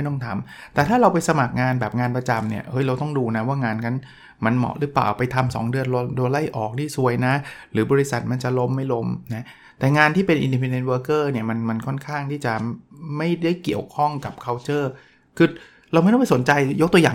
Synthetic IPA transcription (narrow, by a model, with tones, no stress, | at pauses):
jt̪ɔ˥˩ŋt̪ʰa˧mt̪ɛː˨˩t̪ʰaː˥˩ɾa˧wpa˧jsa˧ma˨˩k̚ŋaː˧nbɛː˨˩p̚ŋaː˧npɾa˧t͡ɕa˧mni˥˩ɐʔɤ˦˥jɾa˧wt̪ɔ˥˩ŋduː˧na˦˥waː˥˩ŋaː˧nkʰa˧˥n | ma˧nmɔ̰˨˩ɾɯ˦˥pa̰ː˨˩pa˧jt̪ʰa˧msɔ̰ː˩˦ŋdɯ˧ən˧lu˧la˥˩jʔɔː˨˩k̚t̪ʰiː˥˩su˧˩əjna˦˥ɾɯː˩˦bɔː˧ɾi˦˥sa˨˩t̪̚ma˧nt͡ɕa˨˩lo˦˥mːa˥˩jlo˦˥mna˦˥ | t̪ɛː˨˩ŋaː˧nt̪ʰiː˥˩pe˧nʔḭ˧ndi˧pʰe˧nde˧˥n̚wɤː˧kɤː˥˩ni˥˩ma˧nma˧nkʰɔ˥˩nkʰaː˥˩ŋt̪ʰiː˥˩t͡ɕa˨˩ma˥˩jda˥˩jki˨˩əwkʰɔ˥˩ŋka˨˩p̚kʰa˧wt͡ɕɤː˥˩ | kʰɯː˧ | ɾa˧wm˥˩j̪ma˥˩so˩˦nt͡ɕa˧jjo˦˥k̚t̪u˧jaː˨˩